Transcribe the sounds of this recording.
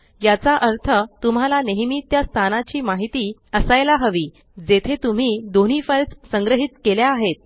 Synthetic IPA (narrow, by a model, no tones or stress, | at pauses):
jat͡saʔəɾt̪ʰət̪um̤alaneɦmit̪jast̪ʰanat͡ɕiːmaɦit̪iːəsajlaɦəʋiː | d͡zet̪ʰet̪um̤iːd̪on̤iːfəlt͡ssəŋɡɾəɦit̪keljaːɦet̪̚